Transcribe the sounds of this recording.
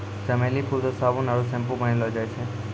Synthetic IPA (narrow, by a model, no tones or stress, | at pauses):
səmelipʰuɾt̪osaʋũnaɾũsɛ̃mpũbʱənelod͡ʒajt͡ʃʰe